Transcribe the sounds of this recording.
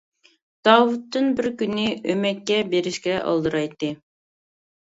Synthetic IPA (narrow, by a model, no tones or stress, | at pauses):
d̪̥ɑwut̪ːɨnbɪɾkʲynːɪømɛk̚ʲkʲːɛbeɾɪʃkʲɛʔɑ̰lˠd̪ɨɾɑjt̪ːɨ